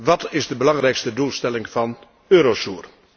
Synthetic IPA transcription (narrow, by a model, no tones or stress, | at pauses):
ʋɑtɪzdəbəlɑŋrɛjkstədulˠstɛlɪŋv̥ɑn | øːɾosuːr